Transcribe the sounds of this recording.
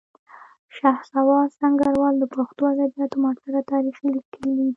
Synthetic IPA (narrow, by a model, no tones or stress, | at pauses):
ʃahsawɑsaŋɡaɾwɑld̪əpoxt̪oad̪abijɑt̪omɑʈt̪aɾat̪ɑɾixlikʰəli